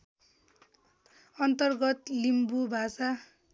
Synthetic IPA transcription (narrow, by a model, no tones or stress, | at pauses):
ʌnt̪ʌrɡʌt̪limbubʱasa